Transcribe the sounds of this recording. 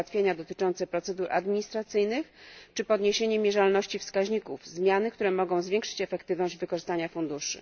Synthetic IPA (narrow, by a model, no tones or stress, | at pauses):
at̪fʲjeɲad̪ɔt̪ɘ̥t͡ʂɔnt̪sɛpɾɔt̪sɛd̪uɾʔa̰d̪mʲiɲist̪ɾat̪sɘjnɘxt͡ʂɘpɔd̪ɲeɕeɲɛmʲjɛʐalnɔɕt͡ɕifskaʑɲikuvzmʲjanɘkt̪uɾɛmɔɡɔ̃w̃zvʲeŋkʂɘ̥t͡ɕɛfɛkt̪ɘvnɔʑd͡ʑvɘkɔʐɨst̪aɲafund̪uʂɘ̰